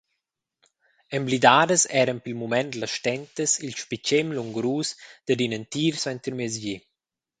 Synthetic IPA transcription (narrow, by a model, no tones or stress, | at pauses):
ɛmblid̪aːdəsɛːɾənpilmumɛnd̪lɐsʃt̪ɛnt̪əsilʃpit͡ʃemluŋɡɾuːsd̪̥əd̪inənt̪iːɾswɛnt̪əɾmezvi